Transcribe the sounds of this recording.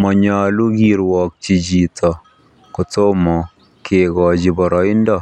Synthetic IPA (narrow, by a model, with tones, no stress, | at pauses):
mɔ˨ɲɔ˨lu˦ɡi˨ɾwɔ˨k̚t͡ʃi˨d͡ʒi˨tʰɔ˨ | ku˨to˦mɔ˨ | kʰe˨ɡɔ˨d͡ʒi˨bɔ˨ɾɔ˨ɪ˦ndɔ˦˨